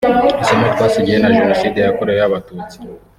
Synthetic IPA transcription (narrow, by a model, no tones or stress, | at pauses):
ɾisometkwaːsiɟijenaʒeno̞siːde̞jakoɾejojaβatut͡si̥